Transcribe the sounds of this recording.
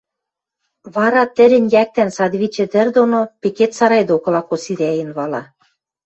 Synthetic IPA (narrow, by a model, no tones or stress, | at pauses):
βɑɾɑt̪ɘ̆ɾʲɘ̆nʲjæk̚t̪ænsɑd̪βit͡ɕɘ̆d̪ɘ̆rd̪onopeket̪sɑɾɑjd̪okɤ̆lɑkosiɾʲæjɘ̆nβɑlɑ